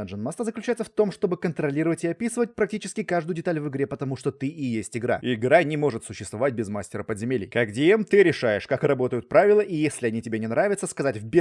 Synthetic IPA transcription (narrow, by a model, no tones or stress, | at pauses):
əʐɨnmast̪əzəklʲʉt͡ɕæɪt̪səft̪o̞mʂt̪o̞bɨkənt̪ɾɐlʲiɾəvətʲɪɐpʲisɨvət̚ʲpɾɐk̚tʲit͡ɕɪskʲɪkaʐd̪ʊjʊdʲɪt̪alʲvɨɡɾʲepət̪ɐmuʂt̪o̞t̪ɨʔɪjesʲtʲɪɡɾa̰ɪɡɾanʲɪmo̞ʐɨt̪sʊɕːɪst̪vɐvat̚ʲbʲɪzmasʲtʲɪɾəpəd̪zʲɪmʲelʲɪ̰jkakdʲɪemt̪ɨɾʲɪʂajɪʂkakrɐbo̞t̪əjʊt̪̚pɾavʲɪlˠəʔɪjesʲlʲɪɐnʲitʲɪbʲenʲɪnɾavʲɪt̪səskɐzatʲvbʲɪ